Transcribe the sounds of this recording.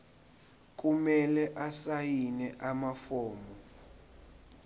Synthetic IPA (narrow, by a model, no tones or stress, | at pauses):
k̬ʼumɛlɛʔasajinɛʔamafɔːmɔ